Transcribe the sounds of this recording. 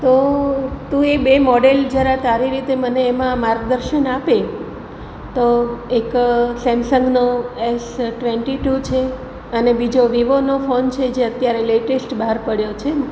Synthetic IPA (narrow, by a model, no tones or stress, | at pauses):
t̪ot̪ũebemɔɖeld͡ʒəɾat̪aɾiɾit̪eməneːmãmaɾɡd̪əɾʃənape | t̪oeksɛmsəŋɡnoesʈʋeɳʈiʈut͡ʃʰe | ənebid͡ʒoʋiʋonofont͡ʃʰed͡ʒeət̪jaɾeleʈesʈbəɦaɾpəɽjot͡ʃʰe